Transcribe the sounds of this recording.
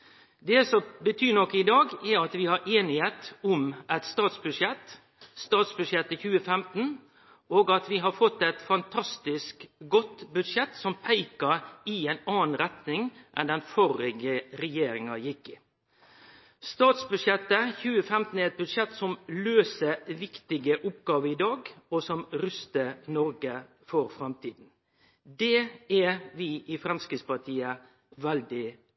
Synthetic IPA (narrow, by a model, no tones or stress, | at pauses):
d̪ɛsɔbət̪ʰyːnɔkːɪd̪ɑːɡɛɾɑt̪ʋɪhɑɾʔeːnɪheːt̪ʊmʔɛt̪st̪ɑːt̪sbʉʂjɛt̪ | st̪ɑːt̪sbʉd̪ʂjɛt̪ːəçʉːəfɛmt̪n̩ | oːɡɑt̪ʋɪɦɑɾfɔt̪ːɛt̪fɑnt̪ʰɑst̪ɪskɡɔt̪bʉd̪ʂɛt̪ːsɔmpʰæɪkəɾɪæɪnɑːnɾɛt̪nɪŋʔɛ̰nd̪ɛnfɔɾɪɡəɾɛjeːɾɪŋɑjɪkːɪ | st̪ɑːt̪sbʉʂjɛt̪ːəçʉːəfɛmt̪n̩ɛɾɛt̪̚bʉd̪ʂɛt̪ːsɔmløːsəʋɪkt̪ɪɡəʔʊpɡɑːʋəɪd̪ɑːɡɔsɔmɾʉst̪ənɔɾɡə | fɔɾfɾɑmt̪ʰiːd̪n̩ | d̪ɛɛʋɪʔɪfɾɑmskɪspɑt̪ʰiːə | ʋɛld̪ɪ